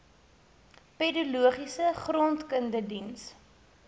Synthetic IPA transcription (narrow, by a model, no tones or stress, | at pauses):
pedɐluəχisəχrɔntkəndədins